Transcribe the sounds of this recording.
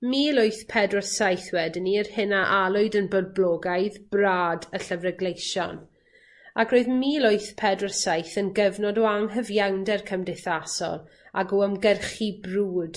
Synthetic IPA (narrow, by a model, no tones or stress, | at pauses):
miːlʊɨθpʰɛdrɔsajθwɛdəniərhɪnaʔalˠʊɨdənbɔd̚bloːɡajðbraːdəɬəvrɛɡlejʃɔ̰n | aɡroɨðmilˠʊɨθpʰɛdrɔsajθənɡəvnɔdɔaŋɦəvjawndɛrkʰəmdɪθasɔ̰lˠ | aɡɔəmɡɛrχibruːd̥